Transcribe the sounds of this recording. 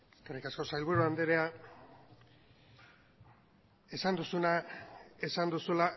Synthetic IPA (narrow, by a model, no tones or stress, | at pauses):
eskarikasko̞sajlβuɾuand̪eɾea | e̞sand̪usunae̞sand̪usula